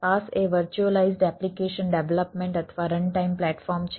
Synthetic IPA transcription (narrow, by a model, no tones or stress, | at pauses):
paseʋəɾt͡ʃuəlaizɖɛplikeʃənɖeʋləpmẽɳʈət̪ʰʋaɾəɳɖʈaimplɛʈfɔɾmt͡ʃʰ